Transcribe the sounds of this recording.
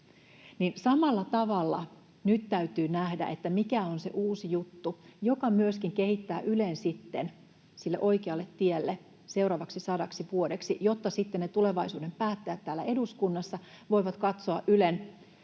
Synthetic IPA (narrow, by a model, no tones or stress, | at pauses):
ninsɑmɑlːɑt̪ɑʋɑlːɑ̰ | nyt̪t̪æyt̪yːnæhdæ̰ʔet̪ːæmikæonse̞̰ʔuːsijut̪ːujokɑmyøskiŋkehit̪ːæːʔylensit̪ːen | silːḛʔo̞jkeɑlːet̪ːielːe | se̞uɾɑːʋɑksisɑdɑksiʋuodeksijot̪ːɑsit̪ːenet̪ule̞ʋɑisuːde̞mpæːt̪ːææt̪tæːlːæ̰ʔe̞duskunːɑsːɑʋo̞jʋɑt̪kɑt̪soɑʔʔylen